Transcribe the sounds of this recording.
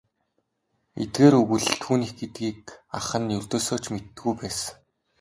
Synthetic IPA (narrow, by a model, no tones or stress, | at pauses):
ḛt̪̚ɡeːɾɵɣɘ̆ɮt̪ʰuːniːxɡet̪ɡiːk̚aχə̆njɵɮt̪oːsoːt͡ɕmet̪ːɘ̆ɡujpæːs